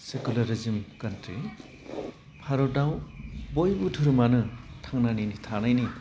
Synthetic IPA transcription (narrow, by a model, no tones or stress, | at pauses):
sekulaɾizimkantɾi | pʰaɾɔdawbojbutʰuɾumanɯtʰaŋnaninitʰanajni